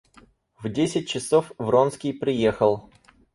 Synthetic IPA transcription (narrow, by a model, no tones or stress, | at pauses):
vdʲesʲɪt̚ʲt͡ɕɪsofvronskʲijpɾʲɪjexəlˠ